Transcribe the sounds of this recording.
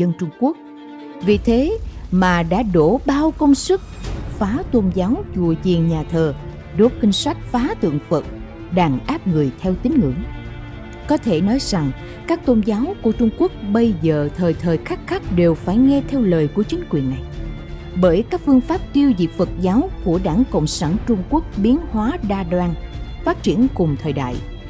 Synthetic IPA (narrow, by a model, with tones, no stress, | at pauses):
zə˧nt͡ɕʊ˧ŋ͡mku˦˥ək̚ | vi˨˩t̪ʰe˨˦maː˨˩ɗa̰ː˧˥ɗo˧˩ɓaː˧wkə˧wŋ͡msɨ˦˥k̚faː˨˦t̪o˧nzaː˨˦wt͡ɕṵ˧˩˨əzḭ˨˩əŋɲaː˨˩t̪ʰəː˨˩ | ɗo˨˦t̚kï˧ŋ̟swa˦˥jk̟̚faː˨˦t̪ɨ̰˧˨əŋfə˨˩t̚ | ɗaː˧˩ŋʔaː˦˥p̚ŋɨ˨˩əjt̪ʰɛ˧wt̪ï˨˦ŋ̟ŋɨ̰˧˩əŋ | kɔ˨˦t̪ʰe˧˩nɔ˨˦jza˨˩ŋ | kaː˦˥k̚t̪o˧nzaː˨˦wku˧˩ət͡ɕʊ˧ŋ͡mku˦˥ək̚ɓə˧jzəː˨t̪ʰəː˨˩jt̪ʰəː˨˩jxa˦˥k̚xa˦˥k̚ɗe˨˩wfaː˧˩jŋɛ˧t̪ʰɛ˧wləː˨˩jku˧˩ət͡ɕï˨˦ŋ̟kwi˨˩ənːa˨˩j | ɓəː˧˩jkaː˦˥k̚fɨ˧əŋfaː˦˥p̚t̪i˧əwzḭ˨fə˨˩t̚zaː˨˦wku˧˩əɗaː˧˩ŋkə̰˧˨wŋ͡msaː˧˩nt͡ɕʊ˧ŋ͡mku˦˥ək̚ɓi˨˦ənhwaː˨˦ɗaː˧ɗwaː˧nfaː˦˥t̚t͡ɕi˧˩ənkʊ˨˩ŋ͡mt̪ʰəː˨˩jɗa̰ː˧˨j